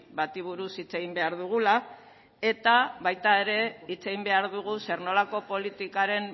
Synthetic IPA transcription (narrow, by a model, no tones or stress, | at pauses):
bat̪iβ̞uɾusit͡se̞ɣimbe̞aɾðuɣ̞ula | e̞t̪aβajt̪ae̞ɾe̞it͡se̞ɣimbe̞aɾðuɣ̞use̞ɾno̞lako̞po̞lit̪ikaɾe̞m